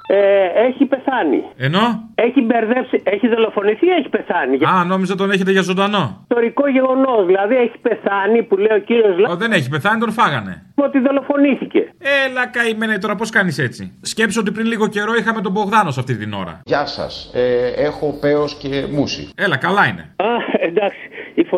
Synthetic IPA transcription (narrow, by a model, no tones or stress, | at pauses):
eeçipe̞θɐnḭeno̞eçibeɾðepsieçiðo̞lo̞fo̞niθieçi̥pe̞θɐniʝɐno̞mizɐt̪o̞neçet̪e̞ʝɐzo̞nd̪ɐno̞t̪o̞ɾiko̞ʝe̞ɣo̞no̞zðilɐðieçi̥pe̞θɐnipuleiociɾio̞zlɐðe̞ne̞çipe̞θɐnit̪onfɐɣɐne̞̰ot̪iðo̞lo̞fo̞niθice̞̰elɐkɐimenet̪oɾɐpo̞skɐnise̞t͡sḭsce̞psoot̪ipɾinliɣo̞ce̞ɾo̞ixɐme̞t̪̬o̞bo̞ɣðɐno̞sɐft̪it̪ino̞̰ɾɐ̰ʝɐsɐ̰seexo̞pe̞osce̞musḭe̞lɐkɐlɐine̞̰ɐend̪ɐksi̥ifo